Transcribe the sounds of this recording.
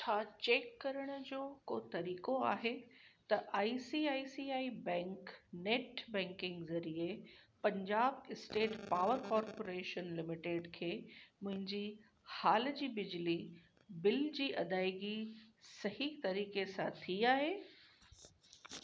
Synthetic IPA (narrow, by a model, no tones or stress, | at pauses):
t͡ɕʰaːt͡ɕeːkːɐɾəɽ̃̆d͡ʑoːkot̪ɐɾiːkoa̰ːɦet̪ɐʔaːisiaːisiaːibɛ̃ːŋkneːʈbɛ̃ːŋkɪ̃ŋɡzɐɾiepɐ̃ɲd͡ʑaːbɪsʈeːʈpaːʋəɾkɔːɾpoɾeːʃənlɪmɪʈeːɖkʰeːmʊ̃ɦɪ̃ɲd͡ʑi | haːl̆d͡ʑiːbɪd͡ʑli | bɪld͡ʑiːʔɐd̪aːɪɡisɐɦit̪ɐɾiːkesãt̪ʰiaːɦeː